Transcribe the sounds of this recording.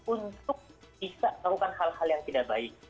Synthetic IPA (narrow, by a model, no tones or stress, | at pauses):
unt̪ʊk̚b̥isaʔt̪akukanhalhaljaŋt̪idaʔbaɪk̚